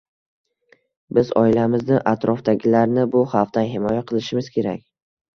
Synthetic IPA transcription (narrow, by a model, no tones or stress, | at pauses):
bɪzɒ̰ɪlamɪznɪʔat̪ɾɒfd̪aɡʲɪlaɾnɪbʊhɑft̪anɦɪmɒjaqʰɨlˠɪʃɪmɪzkʲʰe̞ɾa̰kʲ